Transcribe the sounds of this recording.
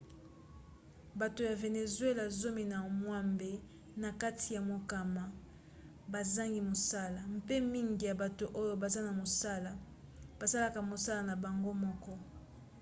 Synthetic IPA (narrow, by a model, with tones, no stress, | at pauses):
ba˨to˨ja˨ve˨ne˨zwe˦la˨zo˦mi˨na˨mwa˦mbe˨˦ | na˨ka˦ti˨ja˨mo˨ka˨ma˨ | ba˨za˦ŋɡi˨mo˨sa˦la˨m˦pe˦mi˦ŋɡi˨ja˨ba˨to˨ʔo˦jo˨ba˨za˦na˨mo˨sa˦la˨ | b̥a˨sa˦la˨ka˨mo˨sa˦la˨na˨ba˨ŋɡo˦mɔ˦kɔ˦